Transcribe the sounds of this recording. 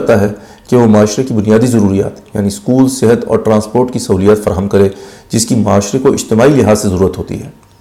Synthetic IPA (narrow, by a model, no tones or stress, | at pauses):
t̪aɦɛ | keʋomaːʃɾekibʊnijaːd̪izɐɾuːɾija̰ːt̪ja̰ːniskuːlsɪɦət̪ɔ̰ːɾʈɾãːspoːɾʈkisɐɦuːlijaːt̪fɐɾaːɦəmkɐɾẽd͡ʒɪskimaːʃɾekoʔɪ̰d͡ʒt̪ɪmaːilɪɦaːzsezɐɾuːɾət̪ɦoːt̪ḭɦɛ̰ː